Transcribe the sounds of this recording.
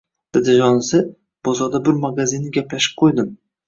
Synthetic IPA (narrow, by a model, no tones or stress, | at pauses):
d̪̥ɪd̪ɪʒɒnɪsɪ | b̥ozɒd̪abɪɾmaɡazɪnːɪɡʲaplaʃɪ̥p̚qʰojd̪ɪm